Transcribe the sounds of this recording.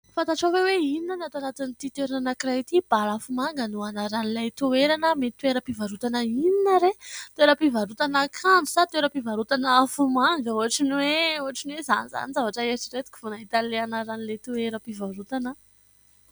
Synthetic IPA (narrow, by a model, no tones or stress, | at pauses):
fat̪aʈ͡ʂaweweininanat̪anat̪init̪it̪eɾananakirajt̪ib̥alafumaŋɡənuanaɾanilajt̪ueɾanəmet̪ueɾəpivaɾut̪anəininəɾet̪weɾəpivaɾut̪anəkʰani̥sat̪weɾəpivaɾut̪anəafumaŋɡəuɦaʈ͡ʂinweuɦaʈ͡ʂinweza̰niza̰nizavaʈ͡ʂəeɾiʈ͡ʂiɾet̪u̥ki̥funaɦit̪aleanaɾanilet̪ueɾəpivaɾut̪anə